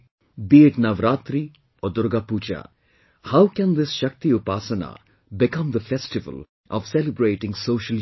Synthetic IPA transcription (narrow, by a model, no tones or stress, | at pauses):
bieʈnɐʋɾaːt̪ɾi | ɔːd̪ʊɾɡaput͡ʃa̰ | hawkɛ̃nd̪ɪsʃɐk̚t̪iʊpaːsəna̰ | bɪkɐ̃md̪əfɛsʈɪʋə̰l | ʔɔ̰ʋsɛlɪbɾeːʈɪ̃ŋsoːʃəl